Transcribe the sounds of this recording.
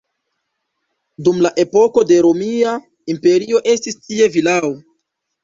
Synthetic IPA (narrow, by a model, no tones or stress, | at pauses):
dumlaʔe̞po̞ko̞de̞ɾo̞mia | impe̞ɾio̞ʔe̞stistie̞vilao